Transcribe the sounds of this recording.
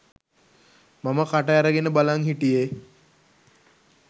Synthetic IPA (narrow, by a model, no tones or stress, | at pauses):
maməkaʈəaɾəɡenəbalaŋɦiʈije